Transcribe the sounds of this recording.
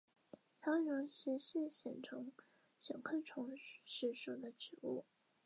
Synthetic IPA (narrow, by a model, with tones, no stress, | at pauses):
t̪ʰɑ˥ɻʊ˧˥ŋɕi˧˥ɕi˥˩nɕjɛ˨˩nʈ͡ʂʰɤ˧˥ŋ | ɕɑ̰˨˩ŋkʰə˥˩ʈ͡ʂʰʊ˧˥ŋʂɻ̩˥˩ʂu˨˩d̪ə˦ʈ͡ʂɻ̩˨˩˦u˥˩